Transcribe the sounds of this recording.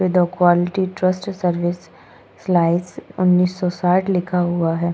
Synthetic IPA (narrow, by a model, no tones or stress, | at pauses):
ʋɪd̪ɔkwaːlɪʈiʈɾəsʈsəɾʋɪsː | laːɪsʊnːiːsːɔsaːʈʰlɪkʰaɦuaɦɛː